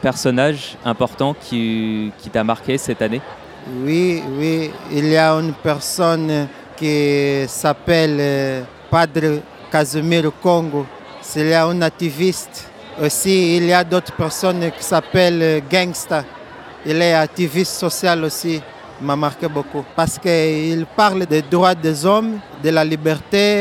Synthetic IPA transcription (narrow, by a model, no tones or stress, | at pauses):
pɛʁsɔnaʒɛ̃pɔʁt̪ɑ̃kʲʰikʲʰit̪amaʁkʲesɛt̪ane | wiwiilijaynpɛʁsɔn | kisapɛl | pad̪ʁə | kazomilukoŋɡo | siljaynat̪ivist̪ | osiiljad̪ot̪χpɛʁsɔnki̥sapɛlɡɛ̃ŋɡst̪a | ilɛak̚t̪ivistsosjalosi | mamaʁkɛbokupaʁskəilpaʁld̪ed̪ʁwad̪ezɔm | d̪elalibɛʁt̪e